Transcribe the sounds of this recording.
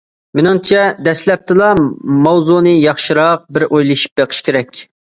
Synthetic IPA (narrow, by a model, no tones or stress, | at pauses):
menɪŋt͡ʃʰɛd̪ɛslɛp̚t̪ʰɨlˠɑmɑwzunɨjɑχʃɨɾɑq̚bɪɾʔojlˠɨʃi̥p̚beqʰə̥ʃkʲʰeɾɛkʲ